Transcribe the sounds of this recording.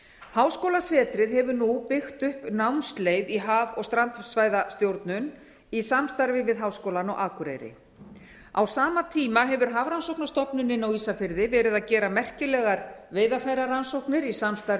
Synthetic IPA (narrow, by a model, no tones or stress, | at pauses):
haːwskoːwlasɛːt̪ɾɪðɦɛvʏnupɪxt̪ʏhpnawnst̪lejðiɦaːvɔɣst̪ɾant̪svaːjðast̪jowɾt̪nʏn | isamst̪aɾvɪvɪðɦaːwskowlanɔɣʔaːkɾḛjɾɪ̰ | awsaːmat̪ʰiːmaɦɛvʏɾ̥ɦaːvɾansowknast̪ɔpnʏnɪnawiːsafɪɾðɪvɛːɾɪðacɛːɾamɛr̥cɪlɛɣaɾveːjðafaːjɾaɾansowknɪɾisamst̪aɾ